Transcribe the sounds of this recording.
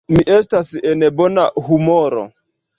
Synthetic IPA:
miʔɛs̬tasiɛnɛbɔna̰humɔɾo̰

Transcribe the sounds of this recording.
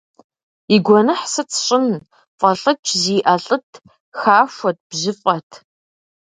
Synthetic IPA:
iɡʷɔnɨħsɨt͡sʰɕʼɪn | fʼɐɬʼɐt͡ʃʰʼziːʔɐɬʼɨtʰ | xaːʃʷɔt̚b̥ʑɪfʼɐtʰ

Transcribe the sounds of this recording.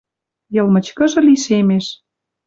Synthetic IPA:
jɤ̆lmə̆t͡ɕkə̆ʒɤ̆liʃemeʃ

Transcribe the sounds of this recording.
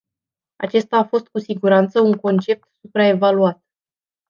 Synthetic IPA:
a̰t͡ʃe̞st̪aːfo̞st̪̚kusiɡuɾant̪səuŋko̞nt͡ʃe̞p̚t̪supɾae̞valuat̪̚

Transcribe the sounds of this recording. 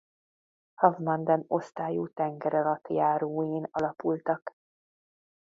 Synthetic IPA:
hɒvmɒnd̪ɛno̞st̪aːjuːt̪ɛŋɡɛɾɒlɒt̪jaːɾoːjeːnɒlɒpult̪ɒk

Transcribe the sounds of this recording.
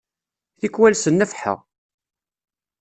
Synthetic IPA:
θikwælsənːəfħə̰ʁ

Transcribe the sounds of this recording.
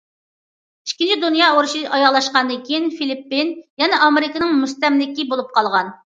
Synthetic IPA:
iʃkʲinid̪unjɑoɾuʃiʔɑjɑʁlˠɑʃqɑnɨkʲʰijinfilipːinjɛnɛʔɑmeɾɪkənɨŋmust̪ɛmlɪkʲibolˠup̚qʰɑlˠʁɑn

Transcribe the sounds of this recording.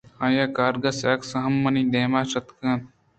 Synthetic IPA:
ãːjaːkaːɾɡɐsaːksɐɦɐmːɐniːd̪eːmaːʃɐt̪kɐ̃ːt̪̚

